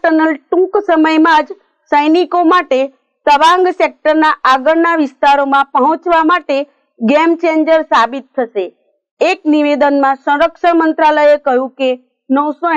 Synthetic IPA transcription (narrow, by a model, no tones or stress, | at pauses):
ʈənəlʈũksəməjmãd͡ʒ | səjnikomaʈe | səʋãŋɡsek̚ʈəɾnaʔaɡəɾnaʋɪst̪aɾomãpəɦɔ̃t͡ʃʋamaʈe | ɡemt͡ʃeɲd͡ʒəɾsabit̪ʰːəʃeː | kniʋed̪ənmãsə̃ɾəkʃəmənt̪ɾaləjekəɦjũke | nəwso